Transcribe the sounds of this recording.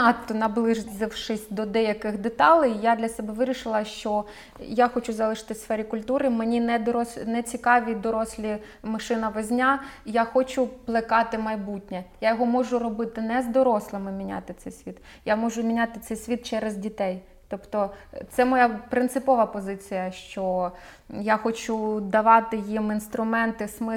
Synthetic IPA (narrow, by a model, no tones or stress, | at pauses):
ɑt̪ːɔnɐblˠɪʒzɪwʃɪsʲd̪ɔd̪ɛjɐkɪxd̪et̪ɑlˠɪjjad̪lʲɐsɛbɛʋɪɾʲiʃɪlˠɐʃt͡ʃɔ | jaxɔt͡ʃʊzɐlˠɪʃɪ̥t̪ɪsfɛɾʲikʊlʲt̪uɾɪmenʲinɛd̪ɔɾɔsnɛt͡sʲikɑʋʲid̪ɔɾɔsʲlʲi | mɐʃɪnɐʋɛzʲnʲajaxɔt͡ʃʊplˠɪkɑt̪ɪmɐjbutʲnʲɛjajɔɦɔmɔʒʊrɔbɪt̪ɪnɛzd̪ɔɾɔslˠɪmɪmʲinʲa̰t̪ɪt̪sɛjsʲʋʲit̪ | jamɔʒʊmʲinʲat̪ɪt̪sɛjsʲʋʲit̪̚t͡ʃɛɾezʲdʲit̪ɛj | t̪ɔpt̪ɔt̪sɛmɔjapɾɪnt̪sɪpɔʋɐpɔzɪt͡sʲijɐʃt͡ʃɔ | jaxɔt͡ʃud̪ɐʋɑt̪ɪjiminst̪ɾʊmɛnt̪ɪsmɪ